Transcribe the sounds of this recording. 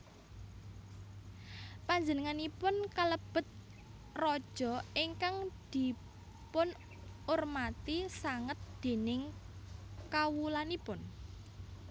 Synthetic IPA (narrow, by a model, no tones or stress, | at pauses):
paɲd͡ʒənəŋanipʊnkaləb̥ə̤t̪̚ | rɔd̥ʒ̥ɔ̤iŋkaŋd̪̥i̤ | pʊn | ʊrmat̪isaŋət̪̚d̪̥e̤nɪŋ | kawulanipʊn